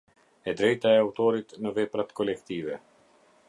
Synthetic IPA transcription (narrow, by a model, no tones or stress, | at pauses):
ɛd̪ɾɛjt̪aɛawt̪ɔɾit̪nəvɛpɾat̪kʰɔlɛkt̪ivɛ